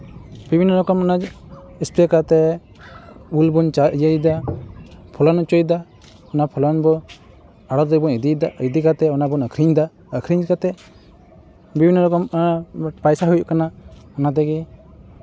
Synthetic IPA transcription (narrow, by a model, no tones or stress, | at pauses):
bibʱinːɔlɔkɔmɔna | ispɾɛkat̪ɛ | ulbunt͡ʃajəjd̪a | pʰɔlɔnut͡ʃɔjd̪a | ɔnapʰɔlɔnbɔ | aɽɔd̪ɛbɔnid̪id̪aid̪ikat̪ɛɔnabɔnəkʰɾiɲd̪a | əkʰɾiɲkat̪ɛ | bibʱinːɔlɔkɔm | pajsaɦujuʔkanaɔnad̪ɛɡi